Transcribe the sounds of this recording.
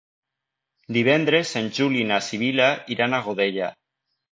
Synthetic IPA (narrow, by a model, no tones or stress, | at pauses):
d̪iβ̞ɛnd̪ɾezenʲʒulinasiβ̞ilaiɾanaɣoðeʎa